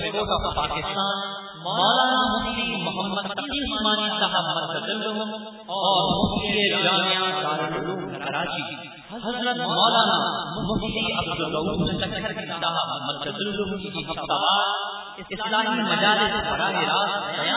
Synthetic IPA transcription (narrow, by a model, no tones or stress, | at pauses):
koːʈɔːfpaːkɪst̪aːn | mɔːlaːnamʊft̪imʊɦəmːəd̪ɐtiːʊsmaːnisɐɦɐbmɐ̃nt̪ɐzɪld̪ʊɦʊ̃ | ɔːɾmʊft̪ied͡ʒaːmɪjazaːɾɪlʊluːmkɐɾaːt͡ʃiː | ɐhɐzɾət̪mɔːlaːnamʊft̪iɐbd̪ʊlːɐuːd̪sɐkʰːəɾkit̪ɐɦɐbmɐnt̪ɐzɪld̪ʊɦʊ̃kkiɦɐft̪aːbaːd̪ | ɪɪslaːmimɐd͡ʒaːlɪsbɐɾaːɦeɾaːt̪ɐɐa